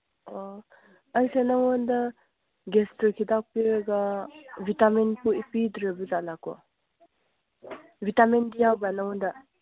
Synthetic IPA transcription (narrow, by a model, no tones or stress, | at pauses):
ɔ | ajsanaŋɔnda | ɡestəɾkʰidapeɾɡabʱitamenpuipidɾebizanakɔ̰ | bʱitamendijawbanaŋɔnda